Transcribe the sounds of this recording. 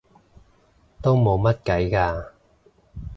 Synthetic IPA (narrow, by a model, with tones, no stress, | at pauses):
t̪o˥wmo˨˧wmɐ˥t̚kɐ˨˥jkaː˧